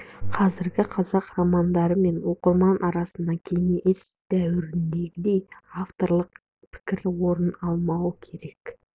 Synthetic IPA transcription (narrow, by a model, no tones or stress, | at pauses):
qʰɑzɪɾɡʲɪqʰɑzɑqrɑmɑnd̪ɑɾəme̞nwo̞qəɾmɑnʔɑɾɑsənd̪ɑkʲʰejŋejʔesd̪̥æwɪɾɪnd̪e̞ɡʲɪd̪e̞jaft̪o̞ɾlˠəq | pʰɪ̥kʲɪɾwo̞ɾənɑlˠmɑwəkʲʰe̞ɾe̞k